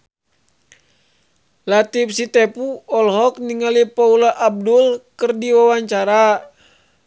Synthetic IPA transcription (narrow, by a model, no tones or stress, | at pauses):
lat̪ip̚sit̪ɛpuɔlɦɔk̚niŋalipaulaʔab̚dulkərdiwawaɲt͡ʃaɾa